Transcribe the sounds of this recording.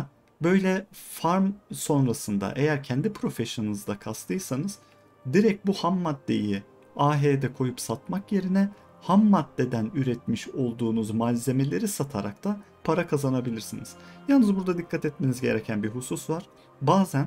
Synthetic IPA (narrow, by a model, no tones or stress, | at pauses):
bø̞jlʲɛfaɾmso̞nɾasɯnd̪a̰ʔe̞jæɾcʰɛnd̪ipʰɾo̞fɛʃonnɯzd̪akʰast̪ʰɯjɯsanɯz | d̪iɾɛc̚buhamːad̪ːe̞̰ji | aːɦeːd̪ɛkʰo̞jupsat̪makje̞ɾinɛ | hamːad̪ːe̞d̪ænyɾɛt̪miʃo̞lˠd̪uːnuzmalʲze̞me̞lʲe̞ɾisat̪ʰaɾak̚t̪ʰa | pʰaɾakʰazanabilʲiɾsiniz̥jalˠnɯzbuɾd̪ad̪ikʰːat̪ɛt̪menizɟe̞̰ɾɛcʰænbiɦususvaɾ̥ | baːzæn